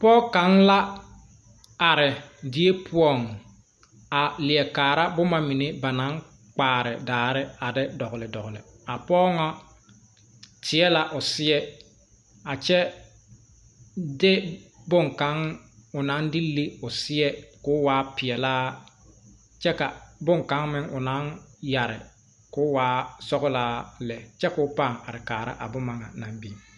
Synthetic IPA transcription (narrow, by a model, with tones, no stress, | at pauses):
pɔː˦ka˦ŋla˦ | a˨ɾɪ˨dɪ˦e˦pʰʊ˦ɔ˦˨ŋ | a˨lɪ˨ɛ˨kaː˨ɾa˦bʊ˦ma˨mi˨ne˦ba˨na˨˦ŋ | k͡paː˨ɾɪ˨daː˨ɾɪ˦a˨dɪ˦dɔ˨ɣʊ˨lɪ˨dɔ˨ɣʊ˨lɪ̰˨ | a˨pɔː˦ŋɔ˦ | tʰɪ˨ɛ˦la˦ʔʊ˨sɪ˦ɛ˦ | a˨t͡ʃɛ˦ | dɪ˦bʊ˦ŋka˦ŋ | ʊ˨na˦ndɪ˦li˦ʊ˨sɪ˦ɛ˦kʊ˦waː˦pɪ˨ɛ˨laː˦ | t͡ʃɛ˦ka˨bʊ˦ŋka˨˦ŋmɪ˦ŋʊ˨na˦nja˨ɾɪ̰˨ | kʊ˦waː˦sɔ˦ɣʊ˦laː˦lɛ˨t͡ʃɛ˦kʊ˦pa˦˨ŋa˨ɾɪ˨kaː˨ɾa̰˦ʔa̰˨bʊ˦ma˨ŋa˨na˨mbi˦˨